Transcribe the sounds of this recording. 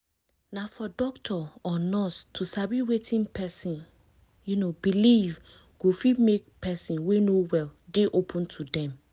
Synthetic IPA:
nafɔdɔktʰɔɔnɔstʰusabiwetʰĩnpʰɛsĩn | junobiliv | ɡ̥ofimek̚pɛsĩnwenowɛldeʔopʰũntʰudɛ̃m

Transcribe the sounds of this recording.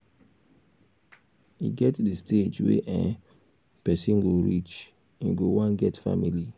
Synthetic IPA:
ḭɡɛtdistʰed͡ʒwḛʔɛ̃ | pɛsĩnɡoɾit͡ʃ | ĩɡowãnɡɛtfa̰mili

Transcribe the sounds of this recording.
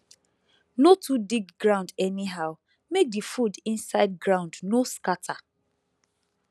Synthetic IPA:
notudiɡɡɹãʊ̃ndɛniɦaʊ | mek̚difudĩnsaɪd̚ɡɹãʊ̃ndnoskatʰa

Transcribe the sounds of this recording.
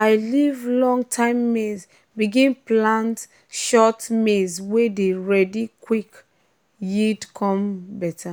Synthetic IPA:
aɪlivlɔ̃ŋɡtʰãɪ̃mːez | biɡĩnplãnt | ʃɔtmezwedeɹɛdikwik | jidkʰɔ̃mbɛtʰa

